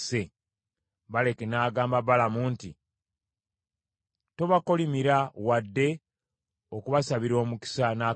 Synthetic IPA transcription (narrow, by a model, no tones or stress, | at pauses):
se̞ | βale̞ke̞naːɡaːmbaβalamuːnti | to̞βako̞limiɾawadːe̞ | okuβasaβiɾo̞ːmuki̥sanaː